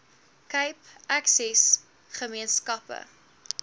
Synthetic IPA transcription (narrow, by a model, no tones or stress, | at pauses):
kəjpʔæksɛs | χəmiənskɐpə̰